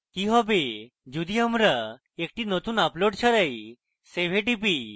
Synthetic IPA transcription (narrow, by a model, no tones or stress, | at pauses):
kiɦɔbe | d͡ʑud̪ʱiəmɾa | ek̚ʈinət̪uːnaploɽt͡ɕʰaɾəj | seʋ̤ʱeʈ̬ipi